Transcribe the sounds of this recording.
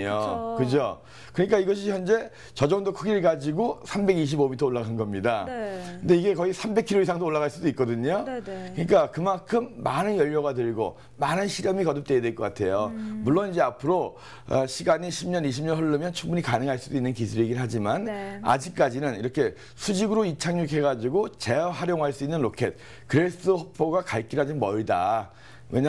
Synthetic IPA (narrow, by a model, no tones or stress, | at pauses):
okɯd͡ʑo | kɯɲik͈aiɡʌɕ̬ʰiçjʌnd͡ʑe̞ | t͡ɕʌd͡ʑʌŋdokʰɯɡiɭɡad͡ʑiɡosʰambe̞ɡiɕ̬ʰibomitʰʌoɭːaɡannɡʌmɲidakɯnde̞iɡe̞kʌisʰambe̞kʰiɾois̬ʰaŋdooɭːaɣaɭs͈udoik͈̚ʌdɯɲokɯɲik͈akɯmankʰɯmːanɯnjʌʎːʌɣadɯɭɡo̰ | manɯnɕʰiɾʌmikʌdɯp̚t͈e̞edweɭk͈ʌk͈atʰe̞jomuɭːonid͡ʑe̞apʰɯɾo | ʌɕʰiɡaɲiɕʰimɲʌniɕʰimɲʌnɦɯɭːɯmjʌnt͡ɕʰuŋbuɲikanɯŋɦaɭs͈udoinːɯnkisʰuɾeɡiɦad͡ʑimana̰d͡ʑik̚k͈ad͡ʑinɯniɾʌkʰe̞ | sʰud͡ʑiɡɯɾoit͡ɕʰaŋɲukɦe̞ɡad͡ʑiɡot͡ɕe̞ɦaɾjoŋɦaɭs͈uinːɯnɾokʰe̞t̚ | kɯɾe̞s͈ɯhʌpʰoɡakaɭk͈iɾɦad͡ʑinmʌida̰ | we̞ɲa